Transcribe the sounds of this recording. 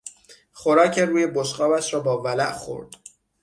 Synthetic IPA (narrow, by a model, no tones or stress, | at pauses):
xoɾɒːcʰeruːjeboʃqɒːbæʃɾɒːbɒːvælæʔxo̰ɾd̪̥